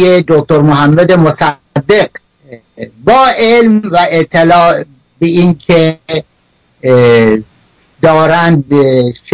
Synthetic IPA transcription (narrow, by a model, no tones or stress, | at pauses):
jed̪ok̚ʲt̪oɾmoɦæmːæd̪emosæ | d̪ːeɡ | bɒːʔelmvæeʔt̪ʰːelɒː | beinkʰe | d̪ɒːɾænd̪̚ʃ